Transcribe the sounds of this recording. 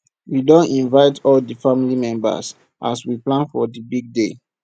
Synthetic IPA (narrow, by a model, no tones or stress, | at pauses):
widõntĩnvaɪtʰɔldəfamilimɛ̃mba̰s | ʔa̰swiplãnfɔdibiɡ̚de